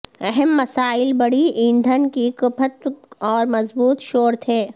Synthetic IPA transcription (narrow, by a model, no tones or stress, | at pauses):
ɛɦɛmːɐsaːɪlbɐɽiĩːnd̪ʱənkikʊpʰət̪ɔːɾmɐzbuːt̪ʃoːɾt̪ʰeː